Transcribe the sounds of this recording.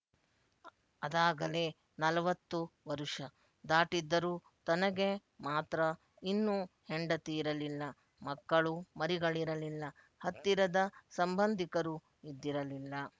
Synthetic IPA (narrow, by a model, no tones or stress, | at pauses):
ɐd̪aːɡɐle̞ː | nɐlɐʋɐt̪ːuʋɐɾuʂɐ | d̪aːʈid̪ːɐɾuː | t̪ɐnɐɡe̞maːt̪ɾɐ | inːuheɳɖɐt̪iːɾɐlilːɐ | mɐkːɐɭumɐɾiɡɐɭiɾɐlilːɐ | hɐt̪ːiɾɐd̪ɐsɐmbɐnd̪ʱikɐɾu | id̪ːiɾɐlilːɐ